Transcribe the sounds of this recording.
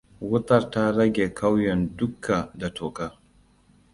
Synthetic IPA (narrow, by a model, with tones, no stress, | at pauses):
wʊ˦tɐ˦ɾta˦ɾɐ˦ɡʲe˨kʰa˦wjɛ˨ndʊ˦kʰːa˨da˨tʰoː˨kaː˦